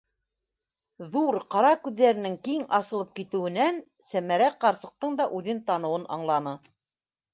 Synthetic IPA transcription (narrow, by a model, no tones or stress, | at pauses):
ðuɾqɑɾɑkʉðːæɾɘ̆nɘŋkiŋɑsɤ̆lˠɤp̚kit̪ɘ̆wɘ̆næn | sæmæɾæqɑɾsɤ̆q̚t̪ɤɴd̪ɑʔʉðɘnt̪ɑnɤ̆wɤnɑ̰ɴlˠɑnɤ